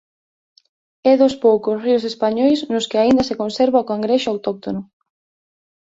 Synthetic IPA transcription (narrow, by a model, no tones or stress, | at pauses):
ɛðʊspowkʊsriʊsespaɲɔjsnʊskɪaind̪ɐsekonseɾβaokaŋɡɾeʃʊawt̪ok̚t̪onʊ